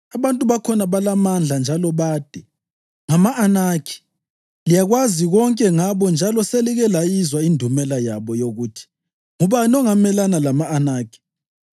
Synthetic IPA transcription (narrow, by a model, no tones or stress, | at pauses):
aβantʼuβakʰɔnaβalamand͡ɮʱand͡ʒʱalɔβaːd̥ʱɛ | ŋamaʔːnakʰi̥ | lijaɣwaziɣɔŋkʼɛŋaβɔnd͡ʒʱalɔseliɣɛlajizwaindʱumɛlajaβɔjoɣutʰi̥ | ŋɔβanɔŋamɛlanalamaːnaːkʰi̥